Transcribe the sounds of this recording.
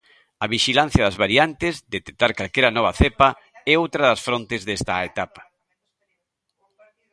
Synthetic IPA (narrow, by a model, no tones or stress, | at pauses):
ɐβiʃilan̟θjɐðɐzβaɾiant̪ɪzd̪et̪e̥k̚t̪aɾkalkeɾɐnɔβ̞ɐθepɐ | ɛowt̪ɾɐðɐsfɾont̪ɪzðest̪aet̪apḁ